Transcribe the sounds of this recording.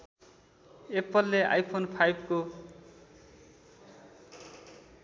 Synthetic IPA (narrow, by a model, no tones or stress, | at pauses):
epʌlːeʔa̰jpʰonpʰajbʱko